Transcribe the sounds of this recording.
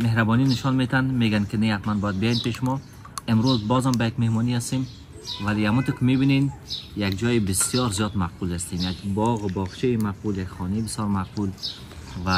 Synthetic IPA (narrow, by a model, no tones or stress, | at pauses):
mehɾabɔninɪʃɔnmet̪and̪meɡankɪnehat̪manbɔjad̪̚bijɔjenpeʃʊmɔ | ɪmɾozbɔzambajakmehmɔniast̪em | valiamut̪ukɪmebinenjakd͡ʒɔjibɪsjɔɾzijɔd̪maq̚bulast̪enjakbɔɣʊbɔʁt͡ʃʰejimaq̚buljakχɔnebɪsjɔɾmaq̚bul | va